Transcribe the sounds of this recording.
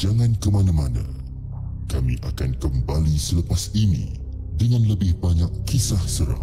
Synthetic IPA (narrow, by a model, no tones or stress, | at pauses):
d͡ʒaŋãnkəmanãmanã̰ | kamḭ̃ʔakankəmbalisələpasinḭ̃ | dəŋãnləbɪhbaɲakːisahsəɾa̰